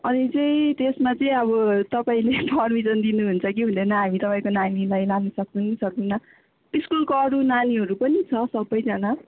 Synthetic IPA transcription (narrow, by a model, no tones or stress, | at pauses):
ʌnit͡sʌĩt̪esmat͡sʌĩʌβʌt̪ʌpaĩlepʰʌrmisʌnd̪inuɦunt͡sʰʌk̬iɦũnd̪enʌɦamit̪ʌpaĩkonanilajlalnʌsʌk̚t͡sʰʌnisʰʌk̚d̪inʌ | iskulkoʌɾunaniɦʌɾupʌnit͡sʰʌsʌbːʌjd͡zʌna